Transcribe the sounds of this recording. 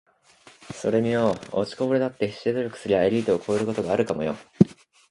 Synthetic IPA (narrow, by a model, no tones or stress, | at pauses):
so̞̰ɾe̞mʲijoot͡ɕi̥koboɾed̪at̪ːe̞ɕi̥ezoɾʲo̞kɯ̟̥sɨɾʲiaeɾʲiːt̪ookʰo̞eɾɯ̟ko̞t̪o̞ɡaːɾɯ̟kamo̞jo̰